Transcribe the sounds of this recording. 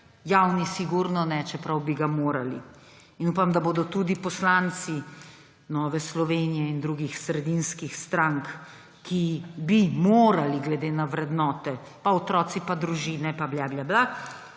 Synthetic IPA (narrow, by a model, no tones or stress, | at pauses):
jawnisiɡuɾnɔnɛt͡ʃɛpɾawbiɡamoːɾalḭ | inupamd̪aboːd̪ɔt̪ud̪ipɔslant̪si | nɔːʋɛslɔʋeːnijɛind̪ɾuːɡixsɾɛd̪inskixst̪ɾaŋkː | ibimoːɾaliɡlɛd̪eːnaʋɾɛd̪nɔːt̪ɛ | paɔt̪ɾɔːt̪sipad̪ɾuʒiːnɛpabljaːbljabla